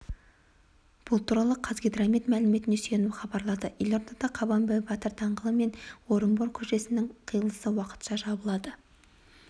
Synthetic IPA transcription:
b̥ʊlˠt̪ʰuɾɑlˠəqʰɑzɡʲed̪ɾɑmit̪mælɪme̞t̪ɪne̞sje̞nuχɑbɑɾlˠɑd̪əje̞lʲo̞ɾd̪ɑd̪ɑqʰɑbɑmbæjbɑt̪əɾt̪ʰɑɴʁəlˠəme̞nwo̞ɾəmboɾkʲʰɵʃe̞sɪnɪŋqʰijəlˠəsəwɑqə̥t̪ʃɑʒɑbəlˠɑd̪ə

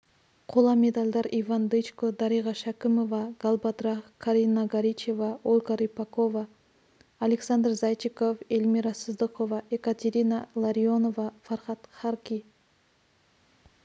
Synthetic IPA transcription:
qʰolˠɑmʲe̞d̪alʲd̪ɑɾivand̪ɨjt͡ʃkod̪ɑɾiʁɑʃakʲɪmovɑɡ̥alˠbad̪ɾɑkʰaɾʲinːaɡaɾʲit͡ʃe̞vɑolʲɡaɾijpakovaː | lʲeksand̪rzajt͡ʃikofelʲmiɾasɨzd̪ɨqovɑʔekat̪ʲeɾʲinalˠaɾio̞no̞vɑfɑrχɑt̪χɑrkʲi

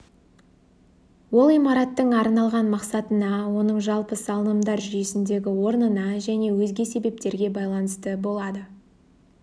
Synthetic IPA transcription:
wo̞lˠijmɑɾɑt̪ːəɴɑɾnɑlˠʁɑnmɑqsɑt̪ənɑwo̞nəɴʒɑlˠpəsɑlˠənəmd̪ɑɾʒʏje̞sɪnd̪e̞ɡʲɪwo̞ɾnənɑʒæne̞wɵzɡʲe̞se̞be̞p̚t̪e̞ɾɡʲe̞bɑjlˠɑnəst̪əbo̞lˠɑd̪ə

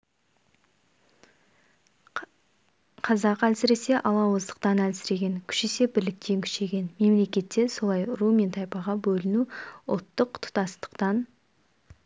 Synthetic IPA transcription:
qʰɑzɑqælsɪɾe̞se̞ʔɑlˠɑwəzd̪ə̥q̚t̪ɑnælsɪɾe̞ɡʲe̞ŋkʲʰʏ̥ʃe̞se̞bɪɾlɪk̚t̪ʰe̞ŋkʲʰʏ̥ʃe̞ɡʲe̞nme̞mle̞kʲe̞t̪ːe̞so̞lˠɑjɾumʲe̞nt̪ʰɑjpɑʁɑbɵlɪnuʊ̰lˠt̪ːəqt̪ʰʊ̥t̪ɑst̪ə̥qt̪ɑn

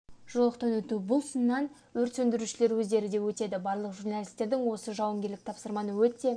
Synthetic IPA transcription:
ʒ̥olˠəqt̪ɑnwɵt̪ubʊlˠsənːɑn | wɵɾt̪sɵnd̪ɪɾuʃɪle̞ɾwɵzd̪e̞ɾɪd̪e̞wɵt̪e̞d̪ɪbɑɾlˠəqʒurnɑlʲijst̪e̞ɾd̪ɪŋwo̞səʒɑwəmɡʲe̞ɾlɪk̚t̪ʰɑpsəɾmɑnəwɵt̪e̞

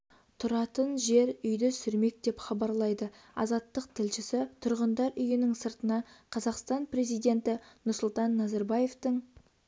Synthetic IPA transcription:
t̪ʰʊɾɑt̪ənʒe̞ɾʏjd̪ɪsʏɾme̞k̚d̪̥e̞pχɑbɑɾlˠɑjd̪ə | ɑ̰zɑt̪ːəqt̪ʰɪlʃɪsɪt̪ʰʊɾʁənd̪ɑɾʏjɪnɪŋsəɾt̪ənɑqʰɑzɑqst̪ɑnpre̞zijd̪e̞nt̪ɪnʊɾsʊlˠt̪ɑnːɑzɑɾbɑje̞ft̪əŋ

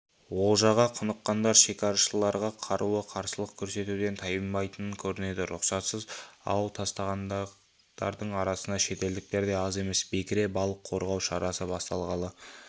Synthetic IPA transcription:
wo̞lˠʒɑʁɑqʰʊnəqːɑnd̪ɑɾʃe̞kʲɑɾʃəlˠːɑɾʁɑqʰɑɾʔuəqʰɑɾsəlˠəq̚kʲʰɵɾse̞t̪ud̪e̞nt̪ʰɑjəmːɑjt̪ənəŋkʲʰɵɾɪne̞d̪ɪɾʊqsɑt̪səzɑ̰wlˠt̪ʰɑst̪ɑʁɑnd̪ | d̪̥ɑ̰ɾd̪əɴɑɾɑsənɑʃe̞t̪e̞ld̪ɪk̚t̪e̞ɾd̪e̞ɑze̞me̞sbe̞kʲɪɾe̞bɑlˠəqʰːo̞ɾʁɑwʃɑɾʔɑsəbɑst̪ɑlˠʁɑlˠə

